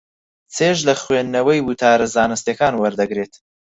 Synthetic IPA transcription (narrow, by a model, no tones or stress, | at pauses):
t͡sʰeːʒlɐχwenːɐwɐjwut̪ʰaːɾɐzaːnɨst̪ekaːnwɐɾd̪ɐɡɾeːt̪